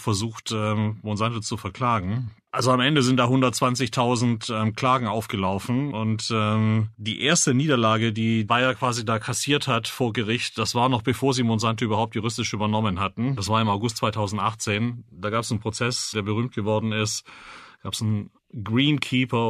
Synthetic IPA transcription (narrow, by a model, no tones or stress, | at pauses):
fɛɐzuːxtʔɛmmonzantot͡sufɛɐkʰl̥aːɡŋ̩ʔalzoamʔɛndəzɪnt̚d̥aːɦʊndɐt̚t͡sv̥ant͡sɪçtʰaʊzn̩tʔɛːmkl̥aːɡŋ̩ʔaʊfɡ̥əlaʊfn̩ʊntɛːmd̥iːʔeːɐstəniːdɐlaːɡədiːbaɪɐkv̥aːzidaːkʰasiːɐthatfoːɐɡəʁɪçtd̥asv̥aːɐnɔχb̥əfoːɐziːmonzantoʔyːbɐhaʊptjʊʁʏstɪʃʔyːbɐnɔmənɦatn̩d̥asv̥aːɐɪmaʊɡʊstt͡sv̥aɪtʰaʊzn̩tʔaχt͡seːnd̥aːɡaːpɛsn̩pʁ̥ot͡sɛsd̥eːɐbəʁyːmt̚ɡ̥əvɔɐdn̩ɪstɡ̥aːpsn̩ | ɡʁiːnkʰiːpɐ